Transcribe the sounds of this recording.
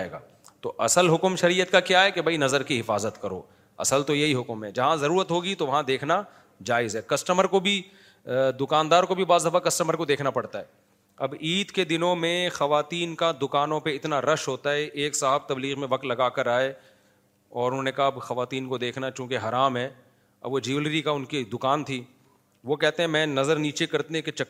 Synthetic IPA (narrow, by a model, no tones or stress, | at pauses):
ḛːɡa̰ː | t̪oʔɐsəlɦʊkmʃɐɾijət̪kakjaɦɛkebʱɐinɐzəɾkiɦɪfaːzət̪kɐɾo̰ː | ɐ̰səlt̪ojeɦiɦʊkmɦɛd͡ʒɐɦãzɐɾuːɾət̪ɦoːɡit̪oʋɐɦãd̪eːkʰna | d͡ʒaːɪzɦɛkɐsʈəməɾkobʱi | d̪ʊkaːnd̪aːɾkobʱibaːzɐfakɐsʈəməɾkod̪eːkʰnapɐɽt̪aɦɛː | ɐbiːd̪ked̪ɪnõmẽxɐʋaːt̪iːnkad̪ʊkaːnõpeɪt̪naɾɐʃɦoːt̪aɦɛʔeːksaɦəb̚t̪ɐbliːɣmẽʋɐk̚t̪lɐɡaːkɐɾaːe | ɔːɾʊnõːnekɐaɦaɐbxɐʋaːt̪iːnkod̪eːkʰnat͡ʃõːkeɦɐɾaːmɦɛː | ɐ̰bʋod͡ʒiʋlɾikaʊnkid̪ʊkaːnt̪ʰiː | ʋokɛɦt̪ẽɦɛ̃mɛ̃ːnɐzəɾniːt͡ʃekɐɾt̪eeket͡ʃɐ